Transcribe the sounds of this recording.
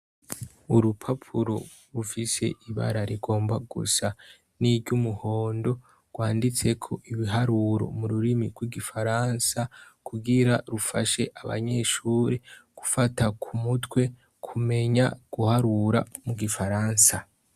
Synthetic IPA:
uɾupʰapʰuɾo̞ | ɾufise̞̰ʔiβa̰ɾaɾiɡo̞ːmbaɡṵsa | nibɟumuho̞ːndo̞ | ɡ̥waːndit͡se̞kʰo̞ʔiβiɦaɾuɾo̞̰muɾuɾimiɡwiɡifaɾansakʰuɡiɾaɾufaʃe̞ʔaβa̰ɲe̞ʃuːɾeɡ̥ufatakʰumutwe̞ | kʰume̞ɲa̰ɡ̥uhaɾuɾa̰muɡifaɾaːnsa

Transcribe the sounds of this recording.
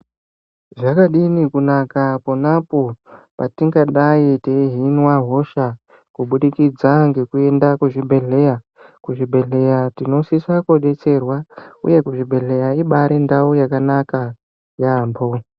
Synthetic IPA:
ʐakaɗinikunakapanapo̞patiŋɡaɗaiteiɦinwaɦo̞ʃa | kuɓuɗikid͡zaŋɡe̞kue̞ndakuʐibʱe̞ɮe̞ja | kuʐibʱe̞ɮe̞jatino̞sisakuoɗe̞t͡se̞rwaṵje̞kuʐibʱe̞ɮe̞jaiɓaɾindaujakanaka | jaːmbo̞

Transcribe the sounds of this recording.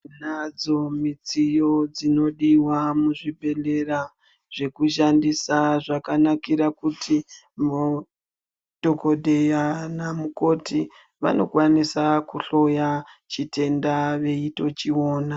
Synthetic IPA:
nad͡zo̞mit͡sijo̞d͡zino̞ɗiwamuʐiɓe̞le̞ra | ʐ̥e̞kuʃandisaʐakanakiɾakutʰi | mu | dʱo̞ko̞dʱejanamuko̞ti | ʋa̰no̞̰kwanisakuɬo̞jat͡ʃitʰe̞ndaʋe̞ito̞t͡ʃio̞ːna

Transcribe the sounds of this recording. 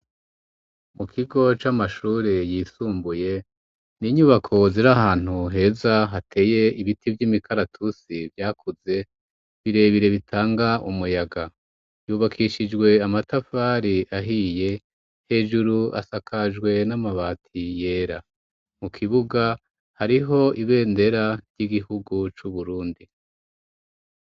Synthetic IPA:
mukʰiɡo̞t͡ʃamaʃuːɾejiːsuːmbuje̞ | niɲuβakʰo̞ziɾahaːn̥huɦe̞ːzaɦatʰe̞ːje̞iβitʰivjimikʰaɾatʰusivjaːkʰuze̞ | βiɾe̞ːβiɾe̞βitʰaːŋɡaʔṵmujaɡa | juβakʰiʃid͡ʒɡwe̞amatafaːɾiʔaɦije̞ | he̞ːʒuɾua̰sakʰad͡ʒɡwe̞namaβaːtʰije̞ːɾa | mukʰiβuɡa | haɾiɦo̞ʔiβe̞ːnde̞ɾaɾɟiɡihuɡut͡ʃuβuɾuːndi

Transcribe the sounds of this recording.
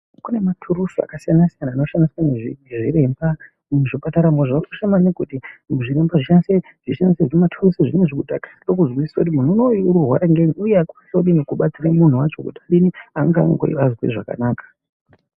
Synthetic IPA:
kune̞matʰuɾusoa̰kasijanasijanaːno̞ʃandiswaneʐiʐiɾe̞mba | uʐipataɾamoʐaoʃemanekutiʐiɾe̞mbaʐiʃanise | ʐ̥iʃandiseʐiematʰurusiʐineʐikutakḁɗok̬uzɣwisisakut̬imun̤uːnouɾurwa̰ɾaŋɡeniujeakuasoɗinekuɓat͡siɾamun̤uwat͡ʃo̞̰kutaɗiniaŋɡaŋɡo̰ḭʋazwḭʐaka̰naːkḁ

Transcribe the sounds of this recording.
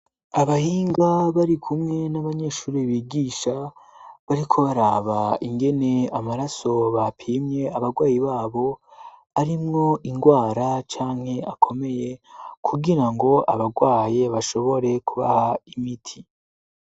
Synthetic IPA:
aβahiːŋɡaβaɾikʰumŋe̞naβaɲe̞ːʃuːɾiβiːɡiːʃaβaɾikʰo̞βaɾaːβaiŋɡe̞ne̞amaɾaso̞βapʰiːmɲe̞aβaɡwaːjiβaːβo̞ | aɾimŋo̞ʔiŋɡwaːɾat͡ʃaːŋhe̞akʰo̞me̞je̞kʰuɡiɾaŋɡo̞ʔa̰βaɡwaːjeβaʃo̞βo̞ɾe̞kʰuβa̰haimitʰi

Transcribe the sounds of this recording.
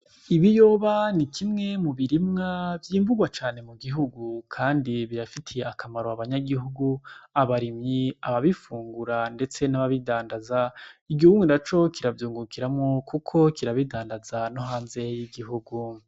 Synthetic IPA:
iβijo̞ːβanikʰimŋe̞muβiɾimŋavjiːmvuɡwat͡ʃaːne̞muɡiɦuɡukʰaːndiβiɾafitʰijeakʰamaɾoaβaɲaɡihuɡuaβaɾimɲiaβaβifuːŋɡuɾande̞t͡se̞naβaβidaːndazaiɡihuɡunat͡ʃo̞kʰiɾavjuːŋɡukʰiɾamŋokukʰo̞kiɾaβidaːndazanoɦaːnze̞jiɡiɦuɡu

